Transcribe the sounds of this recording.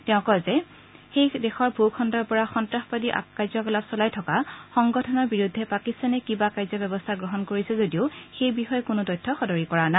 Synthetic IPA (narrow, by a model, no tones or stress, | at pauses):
tɛʊ̃kɔzɛ | xejdɛxɔɹbʱukʰɔndɔɹpɔɹaxɔntɹaxpadiʔa̰kːajzɔkɔlabsɔlajtʰɔkaxɔŋɡɔtʰɔnɔɹbiɹudʱːɛpakistanɛkibakajzɔbɛbɔstʰaɡɹɔɦɔnkoɹisɛzodiʊxejbixɔjkʊnʊdɔjtʰːɔxɔdɔɹikɔɹana